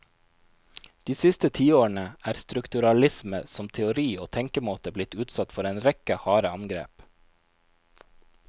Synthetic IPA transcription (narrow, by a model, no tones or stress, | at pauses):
d̪̥iːsɪst̪ət̪ʰiːoːɳəʔæːɾst̪ɾʉkt̪ʉɾɑlɪsməsɔmt̪ʰɛʊɾiːoːt̪ʰɛŋkəmoːt̪əblɪt̪ʉːt̪sɑt̪fɔɾeːnɾɛkəhɑːɾəɑŋɡɾḛːp